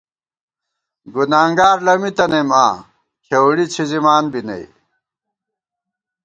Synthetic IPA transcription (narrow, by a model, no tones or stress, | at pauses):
ɡunaːŋɡaːɾlɐmit̪ɐnema̰ː | kʰewɽit͡ɕʰizimaːnbinɐ̰i